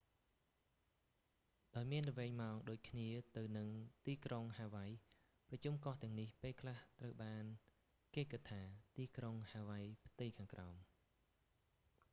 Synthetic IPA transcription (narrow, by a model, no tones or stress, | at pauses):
ɗaɔjmiənrɔʋɛːŋmaɔŋɗoːc̚kʰniət̪ɨwnɨŋt̪iːkroŋhaːʋaj | prɑt͡ɕumkɑht̪ɛ̆əŋnihpeːlkʰlaht̪rəwɓaːn | keːkɨt̪ʰːaːt̪iːkroŋhaːʋajpʰt̪ɨjkʰaːŋkra̰ɔm